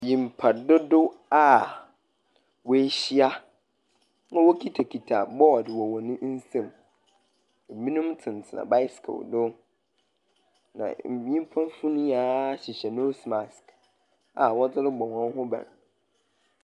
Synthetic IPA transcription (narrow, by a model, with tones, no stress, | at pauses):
jĩ˨m̩˨pʰa˨dʊ˦dʊ˦a˦˨ | wo˦ɕi˦a˦ | nã˦wo˦kʰi˦tʰa˨kʰi˨tʰa˨bɔ˦˨dɪ˨wɔ˨wɔ˨nʊ̃˦n̩˦sã˦m˨ | mĩ˦nũ˦mtʰɪ̃˨n˨tʰɪ˨nã̰˨ba˦jskʰo̰˨dʊ˦ | nã̰˨m̩˨˦ĩ˦m˦pʰã˦n˦fu˦nũ˦ja˦ɕɪ˨ɕɛ˨no˦sma˨sk | a˨wɔ˦d͡zɪ˦ɾɪ˦ɡ͡bɔ˨wɔ̃˦n˦hʊ̃˦bã̰˨n